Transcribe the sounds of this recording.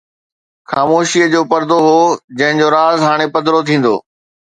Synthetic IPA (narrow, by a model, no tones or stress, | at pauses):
xaːmoːʃiəd͡ʑoːpɐɾd̪oɦoːd͡ʑɐ̃ɦɪ̃ɲd͡ʑoːɾaːzɦaːɽ̃epɐd̪ɪɾot̪ʰĩːn̆d̪o̰ː